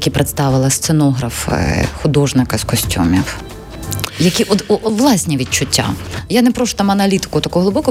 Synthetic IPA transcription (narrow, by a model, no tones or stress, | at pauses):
kʲipɾʔet̪st̪ɑʋɪlˠɐst̪senɔɦɾɐfxʊd̪ɔʒnɪkɐskɔsʲtʲṵmʲiw | jɐkʲiʔɔd̪ɔʋlˠɑsʲnʲiʋʲit͡ʃʊtʲːa̰janɛpɾɔʃʊ̥t̪amɐnɐlʲit̪ɪ̥kʊt̪ɐkɔɦɦlˠɪbɔkɔ